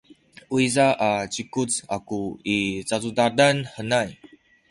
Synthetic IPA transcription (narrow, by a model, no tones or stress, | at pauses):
uizaʔat͡ɕikut͡sakuit͡sazudadanħənaj